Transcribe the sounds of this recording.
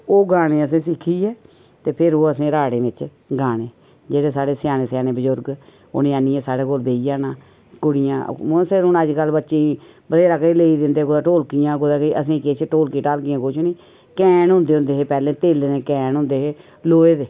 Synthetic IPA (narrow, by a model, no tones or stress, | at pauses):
oːɡaːɽ̃eːəs̬ẽːsɪkʰːiːɛː | t̪eːpʰɪɾoːəsẽːɾaːɽeːʋɪt͡ʃ | ɡaːɽeː | d͡ʒeːɽeːsaːɽeːsjaːneːsjaːneːbəd͡ʒʊɾɡ | ʊ̰nẽːaːniɛ̃ːsaːɽeːkoːlbeːiːjaːnaː | kʊɽɪjã̰ːʊsɪɾɦʊnəd͡ʒkəlbətːʃeːi | bəd̪eːɾaːkəileːiːd̪ɪnd̪eːkod̪aːʈoːlkijãːkʊd̪aːkəiʔəs̬ĩːkɪt͡ʃʰʈoːlkiːʈaːlkɪjãːkʊt͡ʃʰniː | kɛːnɦʊ̃nd̪eːʊ̃nd̪eːɦeːpɛːlẽːt̪eːleẽːkɛːnɦʊ̃nd̪eːɦeː | loːeːd̪eː